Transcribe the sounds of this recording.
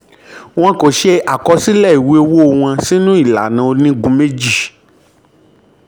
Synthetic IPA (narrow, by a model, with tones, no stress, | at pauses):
w̃ã˧ko˨ʃe˦a˨kɔ˨˧si˦lɛ˦˨i˨we˦o˦˧wo˦o˧w̃ã˧si˦nũ˦i˦˨la̰˨nã˨o˧nĩ˦ɡũ˧˦me˦d͡ʒi˦˨